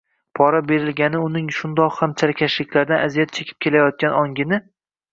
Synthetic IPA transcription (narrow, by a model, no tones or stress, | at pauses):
pʰɒɾabe̞ɾɪlɡʲanɪʊnɪŋʃʊnd̪ɒqhamt͡ʃʰaɾkʲʰaʃlɪkʲlaɾd̪anazijat̪̚t͡ʃʰekʲʰɪ̥p̚kʲʰe̞lajɒt̪̚kʲanɒŋɡʲɪnɪ